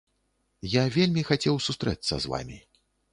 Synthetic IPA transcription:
javʲelʲmʲixat͡sʲɛwsust̪ɾɛt̪sːɐ̰zva̰mʲi

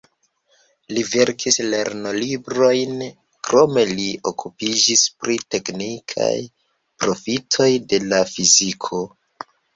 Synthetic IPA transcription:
live̞ɾkʰisle̞ɾno̞libɾo̞jn | kɾo̞me̞lio̞kʰupid͡ʒispɾite̞knikʰa̰j | pɾo̞fitʰo̞jde̞lafizikʰo̞

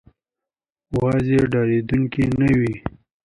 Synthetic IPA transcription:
wɑzeɖɑːɾed̪uŋkinəwi

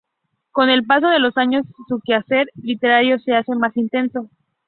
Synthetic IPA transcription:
ko̞ne̞lpas̬o̞ð̞e̞lo̞saɲo̞sːukease̞ɾlit̪e̞ɾaɾjo̞se̞ase̞masint̪e̞nso̞

